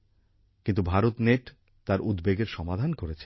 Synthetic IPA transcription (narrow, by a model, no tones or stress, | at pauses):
kint̪ubʱaɾot̪neʈ | t̪aɾud̪beɡeɾʃɔmad̪ʱankoɾet͡ɕʰe